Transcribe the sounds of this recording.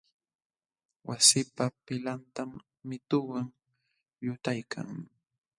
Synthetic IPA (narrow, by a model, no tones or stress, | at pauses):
wasɪpapɪlant̪amː | ɪt̪ʊwaŋ | jʊt̪ajkʰa̰ŋ